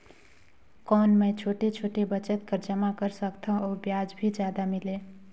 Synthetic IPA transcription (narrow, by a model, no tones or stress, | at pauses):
kɔːnməjt͡ʃʰoːʈet͡ʃʰoːʈebət͡ʃət̪̚kəɾd͡ʒəmakəɾsəkt̪ʰãɔːbjad͡ʒbʱid͡ʒjaːd̪amɪle